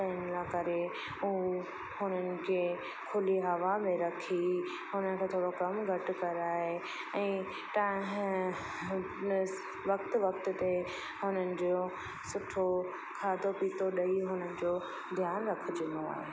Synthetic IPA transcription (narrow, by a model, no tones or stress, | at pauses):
ɐnlakɐɾe | uɦo | hʊnənɪ̆kʰeː | kʰʊliɦɐʋamẽɾɐkʰi | hʊnənɪ̆kʰeːt̪ʰoːɽokɐmɡʱɐʈʊ̆kɐɾaːɦɦe | ɛ̃ː | t̪aːɦ | ʋɐk̚t̪ʋɐk̚t̪ʊt̪e | ɦʊnənɪ̆d͡ʑo | sʊʈʰo | kʰaːd̪ʱopiːt̪oɗɐiɦʊnənɪ̆d͡ʑoː | d̪ʱjaːnɾɐkʰʊd͡ʑɪnoa̰ːɦeː